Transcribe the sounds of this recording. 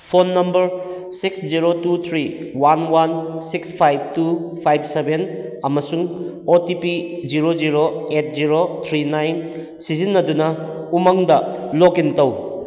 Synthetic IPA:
pʰonːɐmbɐɾ | siksd͡ʒiɾotut̪ʰɾiwanwansikspʰajb̚tupʰajb̚sebenɐmɐsuŋ | otipiziɾoziɾoet̚ziɾot̪ʰɾinajn | sizinːɐdunɐ | umɐŋdɐlokintɐw

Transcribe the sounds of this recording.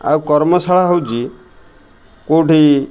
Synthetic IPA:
a̰wkɔɾmɔsaɭaɦowd͡ʒi | koʈʰi

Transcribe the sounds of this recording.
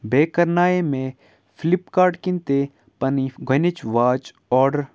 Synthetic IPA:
beːkɐɾnaːemẽ | fʰɪlipkaːɾɖkɪ̃nt̪e | pɐniɡʱənet͡ʃʋaːt͡ʃ | ɔːɖɾ

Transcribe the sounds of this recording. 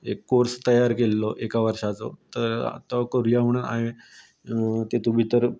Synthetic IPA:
ekːoɾst̪əjaɾkelːɔʔekaʋəɾʂat͡sɔ̰t̪əɾ̰t̪ɔkoɾjam̤əɽ̃una̰ɦe | t̪et̪ubʱit̪əɾ

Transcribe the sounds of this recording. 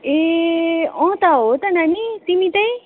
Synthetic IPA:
e | ɔ̃ːt̪aot̪ɐnanisimit̪ɐj

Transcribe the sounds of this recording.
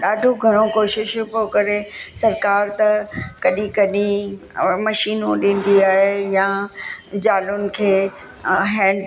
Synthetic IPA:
ɗaːɖʱoɡʱɐɽ̃okoːʃɪʃpokɐɾesɐɾkaːɾt̪ɐkɐɗĩkɐɗĩmɐʃiːnõɗĩːn̆d̪iaːɦejã | d͡ʑaːlʊnɪ̆kʰeː | ɦɛ̃ː

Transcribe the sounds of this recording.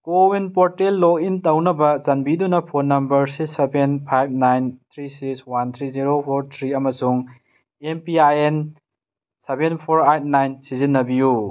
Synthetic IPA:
kowinpoɾtelːokintɐwnɐbɐzɐnbidunɐpʰonːɐmbɐɾsiksːebenpʰajb̚najnt̪ʰɾisikswant̪ʰɾiziɾopʰoɾt̪ʰɾiɐmɐsuŋ | empiajen | sebenpʰoɾajt̚najnsizinːɐbiju

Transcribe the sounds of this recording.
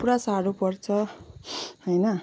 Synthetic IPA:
uɾasaɾupʌrt͡sʰʌ | hʌjnʌ

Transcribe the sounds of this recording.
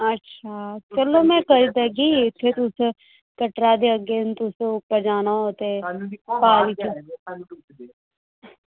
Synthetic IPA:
əʈːʃʰaːt͡ʃəloːmɛ̃ːkəɾid̪aɡiːɪt̪ʰːet̪ʊs | kəʈɾad̪eːəɡent̪ʊsʊpːəɾd͡ʒaːnaot̪epaːlit͡ʃu

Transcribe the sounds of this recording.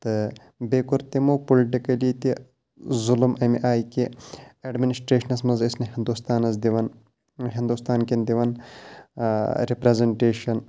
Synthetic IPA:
t̪ɨ | beːkuɾt̪imopoliʈikɐlit̪i | zulmʔɐmḭʔaːjkiɐɖminisʈɾeːʃɐnɐsmɐnzisnihind̪ust̪aːnɐs̬d̪iʋɐn | ɦind̪ust̪aːnkend̪iʋɐn | ɾipɾezeɳʈeːʃɐn

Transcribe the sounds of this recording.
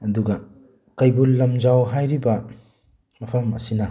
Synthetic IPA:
ɐduɡɐ | kɐjbulːɐmd͡ʒawɦajɾibɐ | mɐpʰɐmɐ̰sinɐ

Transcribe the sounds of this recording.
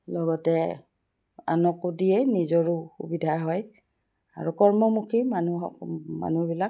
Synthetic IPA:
lɔɡɔtɛ | a̰nɔkudijɛnizɔɹuxṵbidʱaɦɔj | a̰ɹukɔɹmɔmukʰimanuɔma̰nubilak̚

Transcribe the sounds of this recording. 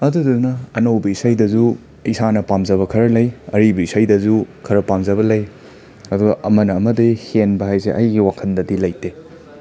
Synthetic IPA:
ɐdudɐdunɐːnɐwbɐisajdɐzu | isanɐpamzɐβɐkʰɐɾɐlɐjɐɾibɐisajdɐzukʰɐɾɐpamzɐβɐlɐj | ɐduɡɐʔɐmɐnɐːmɐdihenbɐɦajseʔɐ̰jɡiwakʰɐndɐdilɐjte

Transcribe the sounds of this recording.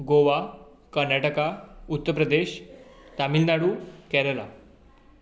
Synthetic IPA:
ɡoʋa | kəɾnaʈəkaut̪ːəɾpɾəd̪eɕt̪amilnaɽuːkɛɾəla̰

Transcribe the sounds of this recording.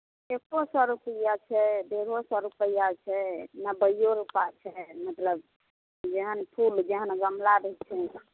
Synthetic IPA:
ekosɔɾupəjat͡ʃʰɛd̪eɾ̤osɔɾupəjat͡ʃʰɛnəbəjjoɾupat͡ʃʰɛmət̪ləb | d͡ʒeɦənpʰuld͡ʒeɦənɡəmlaɾəɦt͡ʃʰɛ

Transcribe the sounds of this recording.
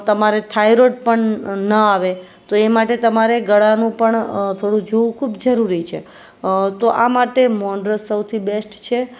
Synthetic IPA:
t̪əmaɾet̪ʰajɾoʈ̚pəɳnəaʋe | t̪oemaʈet̪əmaɾeɡəɽanũpəɳt̪ʰoɽũd͡ʒoʋũkʰubd͡ʒəɾuɾit͡ʃʰe | t̪oʔamaʈemɔɳɖɾəsəwt̪ʰibesʈt͡ʃʰe

